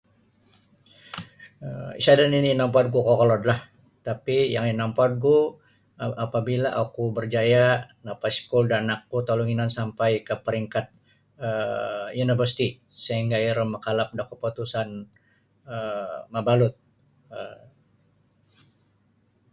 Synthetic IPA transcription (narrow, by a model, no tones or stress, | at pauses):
əḭsadanininampɔd̪̚ɡukɔkɔlɔd̪lah | t̪apijaŋinampɔt̪̚ɡu | apabilaʔakubərd͡ʒaja | napaskuldanak̚ɡut̪aluŋinansampajkəpəɾiŋkat̪̚ | əjunivərsi̥t̪i | səiŋɡaiɾəməkalap̚dakəpot̪usan | əmabalʊt̪̚ | ə